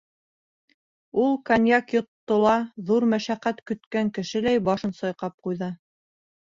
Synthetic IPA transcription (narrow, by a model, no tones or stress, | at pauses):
ulˠkɑnʲjɑkjŏt̪ːŏlˠɑðuɾmæʃæqæt̪kɵ̆t̪kæŋkɘ̆ʃɘ̆læjbɑʃɤ̆nsɑjqɑp̚qujðɤ